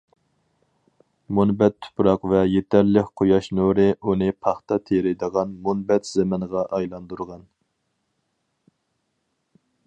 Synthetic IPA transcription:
munbɛt̪ʰːʊ̥pɾɑqvɛjet̪ʰæɾlɪkʲqʰojɑʃnuɾɪʔunɨpʰɑχt̪ɑt̪ʰeɾɪd̪əʁɑnmunbɛt̪z̥emɪŋʁɑʔɑjlˠɑnd̪uɾʁɑn

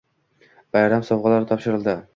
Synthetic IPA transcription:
b̥ajɾamsɒwʁɑlaɾt̪ʰɒpʃɪɾɪlˠd̪ɪ

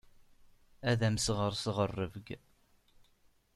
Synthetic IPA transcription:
æðæmsʁəɾsʁərːəvɡ

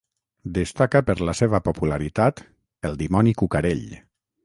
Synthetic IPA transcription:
d̪əst̪akəpəɾlaseβəpopulaɾit̪at̪ | əlˠd̪imɔnikukaɾeʎ

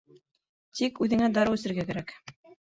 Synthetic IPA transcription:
t̪ikʉðɘ̆ŋæd̪ɑɾɤʉsɘ̆ɾɡækæɾæk

